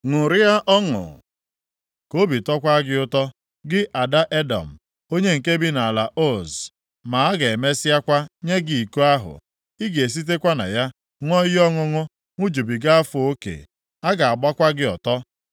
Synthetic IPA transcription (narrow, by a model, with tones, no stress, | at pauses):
ŋʊ˨ɾɪ˦ja˦ʔɔ˦ŋʊ̰˨ | ko˦bi˨tɔ˦kʷa˦ɡɪ˦ʊ˦tɔ˦ | ɡɪ˦ʔa˨da˦ʔe˦dɔ̰˨m̩˨ | o˦ɲe˦ŋ̩˨ke˦bi˦na˨la˨ʔo˦˨z | ma˨a˦ɡe˨e˨me˦sɪ˦a˦kʷa˦ɲe˦ɡi˨i˨ku˦a˦ɦʊ̰˨ | ɪ˦ɡe˨s̬i˦t̬e˦kʷa˦na̰˨ja˦ | ŋʷɔ˦jɪ˦ɔ˦ŋʊ˦ŋʊ˦ | ŋʷʊ˦d͡ʒu˨bi˨ɡa˦a˦fʊ˨o˦kḛ˨ | a˦ɡa˨a˨ɡ͡ba˦kʷa˦ɡɪ˦ɔ̰˨tɔ˦